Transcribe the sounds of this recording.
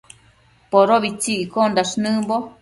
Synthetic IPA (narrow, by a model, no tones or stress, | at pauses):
poɾoβit͡ʃiʔikond̪aʂnɨmbo